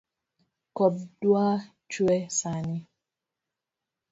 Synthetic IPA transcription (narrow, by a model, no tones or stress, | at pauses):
kɔb̚dwa | t͡ʃwɛsani